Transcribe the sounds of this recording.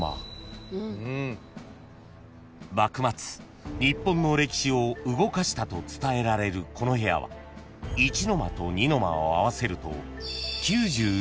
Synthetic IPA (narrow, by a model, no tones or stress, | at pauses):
a̰ | bakɯ̟mat͡sɨ̥ | ɲʲipːõ̞nːo̞ɾe̞kʲi̥ɕio̞ɯ̟ɡo̞kaɕi̥t̪at̪o̞t͡sɨ̥t̪ae̞ɾaɾe̞ɾɯ̟kʰo̞no̞ɦe̞ja̰βa̰ | it͡ɕino̞ma̰t̪o̞ɲ̟ino̞ma̰oaβase̞ɾɯ̟t̪o̞̰kʲɨːʑɨː